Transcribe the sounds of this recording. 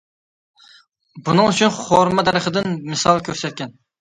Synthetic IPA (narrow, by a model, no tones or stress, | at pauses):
bunɨŋyt͡ʃʰynχoɾmɛd̪ɛɾəχəd̪ɪnmɨsɑlˠkʲʰøɾsɛt̪̚kʲɛn